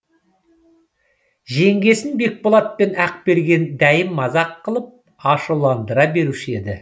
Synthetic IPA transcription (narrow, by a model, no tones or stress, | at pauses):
ʒe̞ŋɡʲe̞sɪnbe̞k̚bolˠɑt̪̚pe̞næq̚be̞ɾɡʲe̞nd̪æjɪmːɑzɑqːəlˠəp̚ | ɑʃulˠɑnd̪əɾɑbe̞ɾuʃɪe̞d̪ɪ